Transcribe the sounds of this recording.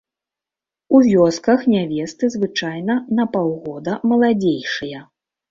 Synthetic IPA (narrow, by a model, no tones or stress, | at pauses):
uvʲɔskɐxnʲavʲɛst̪ɨzvɨt͡ʂajnɐnɐpawɣɔd̪ɐmɐlˠad͡zʲejʂɨjɐ